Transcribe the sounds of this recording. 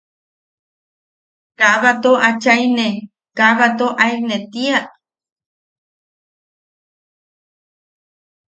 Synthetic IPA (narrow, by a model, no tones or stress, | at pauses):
kaʔβat̪oʔat͡ʃajne | kaʔβat̪oʔaiknet̪iaʔ